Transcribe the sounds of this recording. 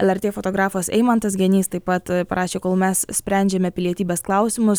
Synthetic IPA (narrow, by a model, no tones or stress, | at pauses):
ɛlʲˠɛɾʲt̪ʲeːfot̪oːɡɾɑːfoːsɛ̰ɪmɐnt̪ɐsɡʲɛnʲiːst̪ɐɪpɐt̪pɐɾʔɑːʃʲeːkoːlˠmʲɛssʲpʲɾʲɛˑnʲd͡ʒʲɛmʲɛpʲɪlʲiɛt̪ʲiːbʲɛsklˠɑʊsʲɪmʊs